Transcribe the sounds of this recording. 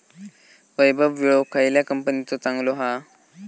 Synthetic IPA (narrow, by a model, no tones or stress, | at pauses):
ʋəjbʱəbʋiɭokʰajljakəmpənit͡sɔt͡saŋɡloɦa